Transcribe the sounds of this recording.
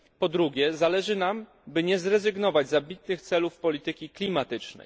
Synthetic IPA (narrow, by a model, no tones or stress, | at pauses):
pɔd̪ɾuɡʲjɛzalɛʐɘnam | bɘɲɛzɾɛzɘɡnɔvad͡ʑzabʲit̪nɘxt̪sɛlufpɔlʲit̪ɘkʲiklʲimat̪ɘt͡ʂnɛ̰j